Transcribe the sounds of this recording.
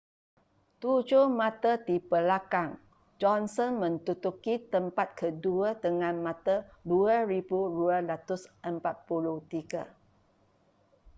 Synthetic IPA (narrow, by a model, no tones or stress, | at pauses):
t̪ud͡ʒʊhmãt̪əd̪ipəlakaŋ | d͡ʒɔnsɔnmə̃nt̪ut̪ukit̪əmpat̪̚kʰəduət̪əŋãnmãt̪əduəɾibuɾuəlat̪ʊsʔəmpat̪̚puluht̪iɡə̰